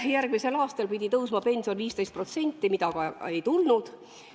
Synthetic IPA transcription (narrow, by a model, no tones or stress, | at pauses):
jærɡ̥mise̞lɑːst̪ɑlpid̪ʲit̪ɤwsmɑpe̞nʲsio̞nviːst̪ejst̪̚pro̞t̪se̞nʲt̪ːˑimid̪̥ɑkɑe̞jt̪ulnud̪̥